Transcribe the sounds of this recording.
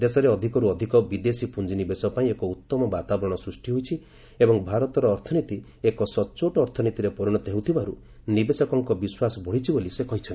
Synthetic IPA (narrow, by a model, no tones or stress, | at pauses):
d̪esɔɾeɔd̪ʱikɔɾuɔd̪ʱikɔbid̪esipund͡ʒinibesɔpaĩekɔut̪ːɔmɔbat̪abɔɾɔɽ̃ɔsɾusʈiɦojt͡ʃʰi | ebɔŋbʱaɾɔt̪ɔɾɔːɾt̪ʰɔnit̪i | ekɔsɔt͡ʃoʈɔːɾt̪ʰɔnit̪iɾepɔɾuɽ̃ɔt̪eɦũt̪ʰibaɾu | nibesɔkɔŋkɔbiswasɔbɔɽ̤it͡ʃʰibolisekɔɦit͡ʃʰɔnt̪i